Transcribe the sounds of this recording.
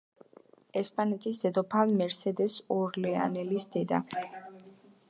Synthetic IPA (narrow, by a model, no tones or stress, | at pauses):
ɛspʼanɛt̪ʼʰisd̪̥ɛd̪ɔpʰavmɛɾsɛd̪ɛsɔɾlɛa̰nɛlisd̪̥ɛd̪a̰